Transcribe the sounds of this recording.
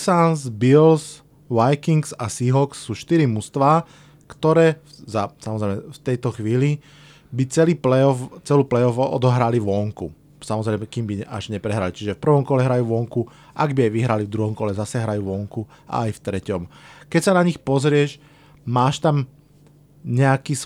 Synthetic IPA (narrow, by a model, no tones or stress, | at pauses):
sanzbils | ʋajkiŋksasiɦɔksːuːʃt̪iɾimust̪ʋaː | kt̪ɔɾɛːzasamɔzɾɛɪmɛft̪ɛjt̪ɔxʋiːli | bit͡sɛliːplɛɔft͡sɛluːplɛjɔfɔ̰d̪ɔɦɾaliʋɔŋkṵ | samɔzɾɛɪmɛkiːmbiɛa̰ʒɲɛpɾɛɦɾalit͡ʃiʒɛfpr̩ʋɔmkɔlɛɦɾajuːʋɔŋku | ʔaɡbiajʋiɦɾalivd̪ɾuɦɔmkɔlɛzasɛɦɾajuːʋɔŋku | ʔa̰ːjft̪ɾɛcɔmkɛcsanaɲixpɔzɾɪɛʃ | maːʃt̪am | ɲɛakiːs